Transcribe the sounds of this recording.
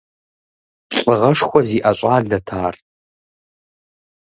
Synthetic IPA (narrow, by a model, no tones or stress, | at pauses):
ɬʷʼəʁɐʂxʷɔziːʔaɕʼaːɮɐtʰaːr